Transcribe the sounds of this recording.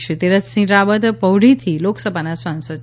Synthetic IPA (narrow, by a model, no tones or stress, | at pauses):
ɕut̪eɾət͡ssĩɾabəd̪əpəwɽit̪ʰiloksəbanasʋãnsə